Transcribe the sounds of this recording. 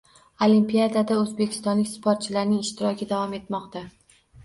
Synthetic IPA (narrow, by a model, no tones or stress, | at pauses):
olimpijad̪ad̪aɵzbekʲʰɪ̥st̪ɒnlɪkʲspʰoɾt̪̚t͡ʃʰɪlaɾnɪŋɪʃt̪ʰɪɾɒkʲʰɪd̪avɒme̞t̪mɒqt̪a